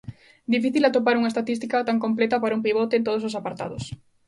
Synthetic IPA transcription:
d̪ifiθilat̪op̬aɾuŋɐest̪at̪ist̪ikat̪aŋkomplɛt̪ɐpaɾɐumpiβ̞ɔt̪eːnt̪oos̬osapaɾt̪a̰ðʊs

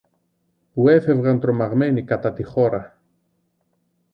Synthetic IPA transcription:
pue̞fe̞vɣɐnt̪ɾo̞mɐɣme̞nikɐt̪ɐt̪ixo̞ɾɐ

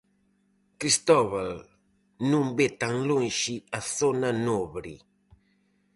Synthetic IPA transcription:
kɾist̪ɔβal | nũmbet̪ãŋlonʃiaθonanoβɾḭ

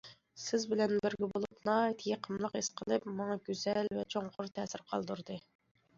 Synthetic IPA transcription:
sɪzbɪlɛnbɪɾɡʲɛbolˠupnɑit̪ʰijɪqʰəmlˠəqesqʰəlˠɨpmɑŋɑɡʲøz̥ɛlvɛt͡ʃʰoŋqʰʊɾt̪ʰɛːsɪɾqʰɑlˠd̪uɾd̪ɨ

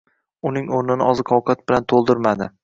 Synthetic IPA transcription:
ʊnɪŋoɾnɪnɪʔɒzɨqʰɒwqʰat̪̚bɪlant̪ʰolˠd̪ɪɾmad̪ɪ

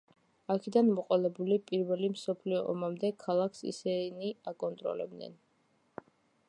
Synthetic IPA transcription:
akʰɛd̪anmɔqʼɔlɛbulipʼiɾvɛlimsɔpʰliɔʔɔ̰mamd̪ɛkʰalˠakʰsḭsɛniakʼɔnt̪ʼɾɔ̰lɛ̰b̚d̪nɛ̰n

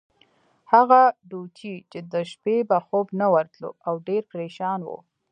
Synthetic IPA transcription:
haɣaɖut͡ʃʰit͡ʃed̪əʃpebaxobnawaɾt̪lo̰awɖeɾpɾeʃɑnwṵ

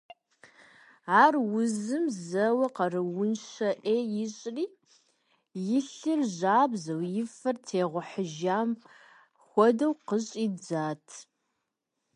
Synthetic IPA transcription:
aːrwʊzɨmzɐwɐqɐrɨwʊnʃɐʔeːjɪɕʼriː | jɪɬɨrʑaːbzɐwjɪfɐrtʰeːʁʷʊħəʒaːm | xʷɔdɐwqəɕʼiːd͡zaːtʰ

